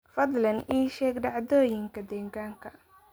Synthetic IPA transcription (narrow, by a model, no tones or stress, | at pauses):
fɐd̪lɐniːʃɛːɡɖɑʕd̪ɔːjɪŋkʰɐd̪ɛːɡaːŋkʰɐ